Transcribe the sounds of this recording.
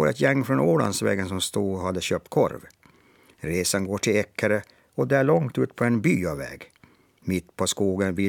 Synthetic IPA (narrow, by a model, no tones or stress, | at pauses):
ɔ̰ɾɛ̰t̪jɛŋːfɾɔnoːla̰nsvɛ̰ːɡənsɔmst̪uːɔɦad̪ːəɕøːp̚t̪̚kʰɔ̰ɾv | ɾeːsanɡoːʈʰɪlɛkʰːaɾə | ɔd̪æːɭɔŋt̪ʉ̟ːt̪pʰɔɛnbyːɑvɛ̰ːɡ | mɪt̪ːpʰɔskuːɡənvɪ